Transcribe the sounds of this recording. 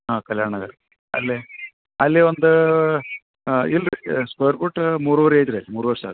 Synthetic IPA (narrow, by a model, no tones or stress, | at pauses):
aːkɐljaːɳɐɡɐɾe | ɐ̰lːi | ɐlːiond̪u | ilskojɐɾpuʈmuːɾuʋɐɾeːid͡ʒ̪ɾeɐlːimuːɾuʋɐɾsa̰ːd̪